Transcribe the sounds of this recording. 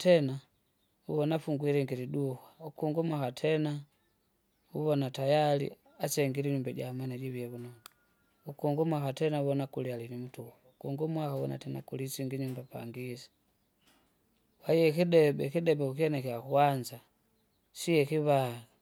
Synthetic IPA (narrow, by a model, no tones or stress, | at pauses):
tɛna | ṵβɔnafuŋɡwiɾɛŋɡiɾiduhwaukuŋɡumwakatʰɛna | uβɔnatajalḭ | at͡ʃɛŋɡiɾiɲumbaɟamanad͡ʒiβiɛβunɔŋ | ukuŋɡumwakatɛnauβɔnakulialinimutuhaukuŋɡumwakaβɔna̰tɛna̰kulisiŋɡiɲumbapa̰ŋɡisi̥ | waiɛkidɛbɛkidɛbɛukiɛnɛkɛakuwand͡ʒa | sijɛkiβaa